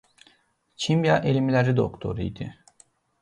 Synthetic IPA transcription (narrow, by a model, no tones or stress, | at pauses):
t͡ʃʰimjaʔelʲimlʲæɾid̪o̰kt̪ʰo̞̰ɾɯ̰jd̪ɪ